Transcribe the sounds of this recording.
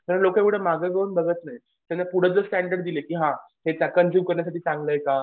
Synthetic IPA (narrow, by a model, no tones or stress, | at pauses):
t̪əɾlokekɽ̤əmaɡəɡʱəunbəɡət̪naj | t̪janːapuɽ̤əd͡zəsʈæɳɖəɾɖd̪ilekiːɦãhet͡sakənd͡ʑuːmkəɾɳjas̬aʈiːt͡sãŋɡləjka